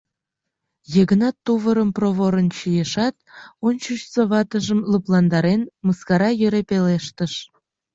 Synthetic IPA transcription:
jeɣənɑt̪ːuβəɾəmproβoɾənt͡ɕijeʃɑt̪̚ont͡ɕuʃsəβɑt̪əʒəmləplɑnd̪ɑɾenməskɑɾɑjøɾepeleʃt̪əʃ

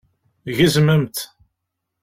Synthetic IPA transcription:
ʝəzməmt̪

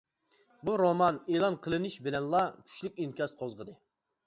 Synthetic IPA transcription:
buɾomɑnelˠɑnqʰəlˠɨnɪʃbɪlɛnlˠɑkʲʰy̥ʃlykʲinkʲɑst̪qʰozʁəd̪ɨ

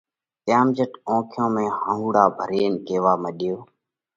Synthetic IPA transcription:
t̪jaːmd͡ʒəʈõːkʰjõːmẽːhãːɦuːɽaːbʱəɾeːnkeːʋaːməɗɪjoː

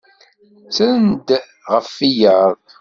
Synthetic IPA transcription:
sənd̪ | ʁəfːijəðˤ

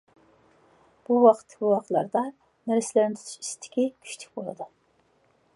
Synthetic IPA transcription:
b̥uwɑqʰət̪ʰːkʲbuwɑqlˠɑ̰ɾd̪ɑ | næɾɪslɪɾnɪt̪ʰy̥t̪ʰy̥ʃist̪ʰɪ̥kʲikʲʰy̥ʃt̪ʰy̥k̚ʲbolˠɨ̰d̪ɨ

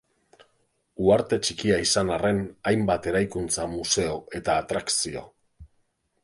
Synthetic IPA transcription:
uaɾt̪e̞t͡ʃikiaisanare̞najmbat̪e̞ɾajkunt͡samuse̞o̞e̞t̪aːt̪ɾaksio̞̰

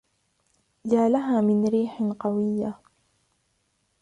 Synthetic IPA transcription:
d͡ʒaːlaɦaːmɪnɾiːħqɑwɪjːa

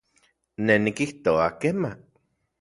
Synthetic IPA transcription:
nenikiht̪oakema

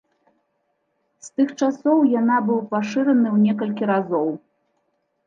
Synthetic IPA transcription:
st̪ɨxt͡ʂasɔwjanabɨwpaʂɨɾɐnɨwnʲɛkɐlʲkʲiɾazɔw

